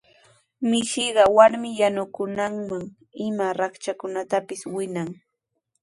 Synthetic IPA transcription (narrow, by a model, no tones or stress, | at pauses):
mɪʃɪɢɑwaɾmɪjanʊkʊnaŋmaŋ | ɪmaɾɑkt͡ʃakʊnat̪apɪswɪnaŋ